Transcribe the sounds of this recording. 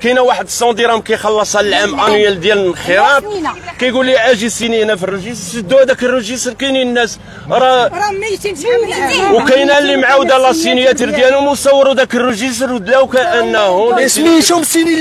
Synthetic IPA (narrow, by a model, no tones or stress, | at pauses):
kæjnæwaħəd̪sˤɑd̪iɾɑhmkæjxɑlːɑsˤællʕæmʔænuæld̪jæləlxəɾˤɑb̚kæjɡulːiʕæʒisininæfirəʒisɾd̪ud̪ækərːəʒist̪ɾkininːæs | ɾˤɑɾ | wkæjnælːimʕawd̪ælɑsinjæt̪əɾd̪jælʊmusˤɑwːɾud̪ækərəʒis̬ɾwd̪læwkæʔənːhʊnsmiʃumsini